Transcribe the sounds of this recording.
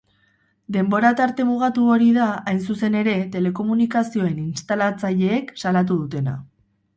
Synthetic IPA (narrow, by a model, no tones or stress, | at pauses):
d̪e̞mbo̞ɾat̪aɾt̪e̞muɣ̞at̪uoɾiðaajns̬use̞ne̞ɾe̞t̪e̞le̞ko̞munikasio̞e̞ninst̪alat͡saʎe̞ːksalat̪̬uð̞ut̪e̞na̰